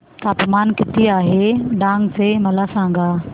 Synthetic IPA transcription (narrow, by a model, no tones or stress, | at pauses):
t̪aːpmaːnkɪt̪ʰiaːɦeɖãːŋɡsemɐlasãːŋɡaː